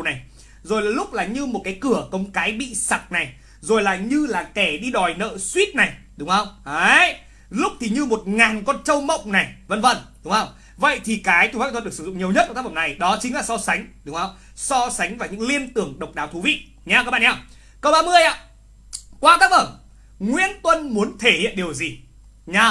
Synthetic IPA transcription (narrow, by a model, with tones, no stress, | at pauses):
na˨˩j | zo˨˩jlaː˨˩lʊ˦˥k͡p̚laː˨˩ɲɨ˧mo˨˩t̚kaː˨˦jkɨ˧˩əkə˨˧wŋ͡mkaː˨˦jɓḭ˧˨sa˨˩k͡p̚na˨˩j | zo˨˩jlaː˨˩ɲɨ˧laː˨˩kɛ˧˩ɗi˧ɗɔ˨˩jnə̰ː˧˨swi˦˥t̚na˨˩j | ɗʊ˨˦ŋ͡mhə˧wŋ͡maː˨˦j | lʊ˦˥k͡p̚t̪ʰi˨˩ɲɨ˧mo˨˩t̚ŋaː˨˩nkɔ˧nt͡ɕə˧wmə̰˧˨wŋ͡mna˨˩jvə̰˧˨nvə̰˧˩nɗʊ˨˦ŋ͡mhə˧wŋ͡m | və̰˧˨jt̪ʰi˨˩kaː˨˦jt͡ɕ̪u˧˩fa˦˧t̪ʰɗk̚sɨ˧zʊ̰˧˨ŋi˨˩əwɲ˦˥t̚k̪ːa˦fə˧˨na˨˩jɗɔ˨˦t͡ɕï˨˦ŋ̟laː˨˩sɔ˧sa˨˦ŋ̟ɗʊ˨˦ŋ͡mhə˧wŋ͡m | sɔ˧sa˨˦jŋ̟vaː˨˩wɲɨ̰˧˥ŋli˧ənt̪ɨ˨˧˩əŋɗə˨˩k͡p̚ɗaː˨˦wt̪ʰu˨˦vḭ˧˨ | ɲaː˧wkaː˦˥ɓa̰ː˧˨ɲa˧˩w | kə˧wɓaː˧mɨ˧əjʔa̰ː˧˦ | kwaː˧kaː˦˥k̚ʔəː˧˩ | ŋwḭ˧˥ənt̪wə˧nmu˨˦ənt̪ʰe˧˩hḭ˧˨ənɗi˨˩əwzi˨˩ | ɲa˧